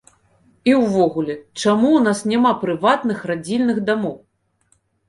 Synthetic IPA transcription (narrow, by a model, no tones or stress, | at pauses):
iwvɔɣulʲɛt͡ʂamuwnasnʲamapɾɨvat̪nɨxrad͡zʲilʲnɨxd̪amɔw